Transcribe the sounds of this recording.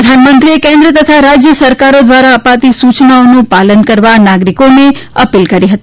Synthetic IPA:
əd̪ʱanmənt̪ɾiekɛ̃nd̪ɾət̪ət̪ʰaɾad͡ʒjəsəɾkaɾod̪ʋaɾaəpat̪isut͡ʃnaonũpalənkəɾʋanaɡɾikoneəpilkəɾiɦət̪i

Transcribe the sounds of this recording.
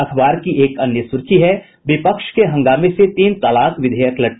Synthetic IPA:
ɐk̪ʰbaːɾkieːkɐnjəsʊɾkʰiɦɛ | ʋɪpəkʃkeɦɐ̃ŋɡaːmẽset̪iːnt̪aːlaːkʋɪd̪ʱeːjəklɐʈ

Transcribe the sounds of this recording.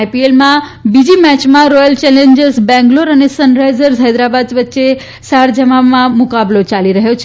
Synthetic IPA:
pielmãbid͡ʒimɛt͡ʃmãɾɔjəlt͡ʃɛlẽɲd͡ʒəɾsbɛ̃ŋɡloɾənesənɾajzəɾsɦajd̪ɾabad̪ʋət̪ːʃe | saɾd͡ʒəmamãmukablot͡ʃaliɾəɦjot͡ʃʰ

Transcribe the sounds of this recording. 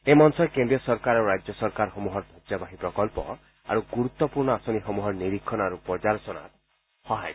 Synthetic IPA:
emɔnsɔkend̪ɾijɔsɔɾkaɾɔuɾad͡ʒjɔsɔɾkaɾɦɔmuɦɔɾd̪ʱɔd͡ʒabaɦipɾɔkɔlpɔ̰ | a̰ɾuɡuɾut̪ːɔpuɾnɔasɔniɦɔmuɦɔɾniɾikʰːɔnaɾupɔd͡ʒaɾɔsɔna̰ | hɔɦaj

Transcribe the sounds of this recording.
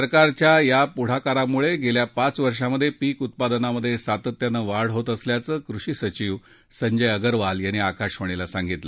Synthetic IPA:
əɾkaɾt͡ɕjajapuɽ̤akaɾamuɭeɡeljapat͡sʋəɾʂaməd̪ʱːjepiːkut̪̚pad̪naməd̪ʱːjesat̪ət̪ːjanəʋaɽ̤ɦot̪əsljat͡səːkɾuɕiːsət͡ɕiʋ | səɲd͡ʑəjəɡəɾʋaljaniakaɕɦoɽ̃elasãŋɡit̪lə

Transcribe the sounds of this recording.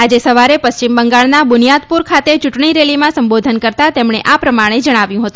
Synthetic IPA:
ad͡ʒesəʋaɾepəst͡ʃimbəŋɡaɭnabʊnijad̪puɾkʰat̪et͡ʃʊʈɳiɾelimãsəmbod̪ʱənkəɾt̪at̪emɳeʔapɾəmaɽ̃ed͡ʒəɽ̃aʋjũɦət̪ũ

